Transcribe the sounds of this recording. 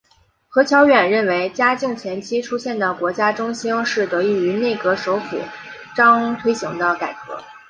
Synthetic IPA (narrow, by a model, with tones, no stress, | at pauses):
xɤ˧˥t͡ɕʰjɑ˧˥ʊɥɛ˨˩nɻə˥˩nwe˧˥ɪt͡ɕja˥t͡ɕi˥˩ŋt͡ɕʰjɛ˧˥nt͡ɕʰi˥ʈ͡ʂʰu˥ɕjɛ˥˩nd̪ə˨˩kwɔ˧˥t͡ɕja˥ʈ͡ʂʊ˥ŋɕi˥nʂɻ̩˥˩t̪ɤ˧˥i˥˩y˧˥ne˥˩ɪkɤ˧˥ʂo˧˥ʊfṵ˨˩˦ | ʈ͡ʂɑ˥ŋt̪ʰwe˥ɪɕi˧˥ŋd̪ə˧ka˨˩ɪkɤ̰˧˥